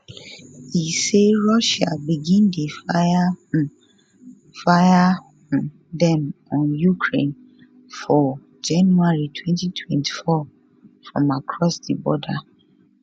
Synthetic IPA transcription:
hiseɹɔʃabiɡĩndefaa | fajã | dɛ̃mɔ̃njukʰɹḛ̃n | fɔ | d͡ʒãnjuaɹitʰwɛ̃ntitʰwɛ̃ntʰi̥fɔ | fɹɔ̰̃makʰɹɔsdibɔda

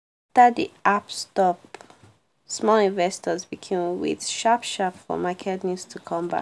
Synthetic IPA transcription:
tədiapstɔp | smɔlĩnvɛstɔzbikʰẽmwɪ̰ð̥ʃapʃapfɔ̰makʰɛtnustʰukʰɔ̃mba̰

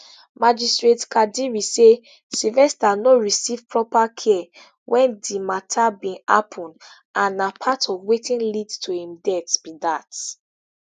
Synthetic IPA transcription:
mad͡ʒistɹetkʰadiɹise | silvɛstanoɹisiv̥pɹɔpakʰɛ | wɛ̃ndimatʰabĩa̰pʰɔ̃n | ʔãnapʰatɔvwetĩnlidtʰuhĩmdɛtbidat

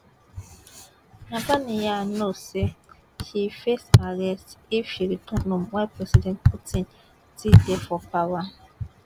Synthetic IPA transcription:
nadanijanose | hifesaɾɛstefiɾitɔnʊmɛpɾɛsidɛnt̚putʰin | tidefɔpawa

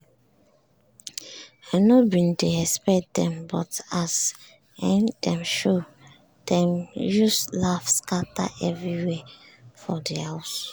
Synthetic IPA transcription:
anobĩndeɛspɛkt̚dɛ̃mbɔtaz | ɛ̃ndɛ̃mʃo | d̥ɛ̃mjuslafskata̰ʔɛvɹiwɛ | fɔdihaʊs

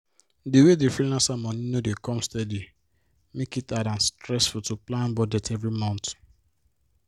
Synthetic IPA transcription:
diwedefilãnsamɔ̃ninodekɔ̃mstɛdi | mekitadãnstɹɛsfutuplãnbɔdɛtʰɛvɹimɔ̃nt

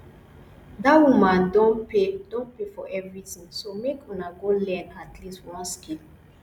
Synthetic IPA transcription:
dawumãndɔ̃edɔ̃npefɔʔɛvɹitĩŋsomekʰũnaɡolɛ̃natlistwɔ̃nskil

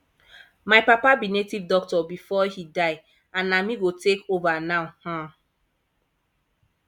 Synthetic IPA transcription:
majpapabinetivdɔk̚tɔbifɔhidaɪ | ãnamiɡotekovanawhã

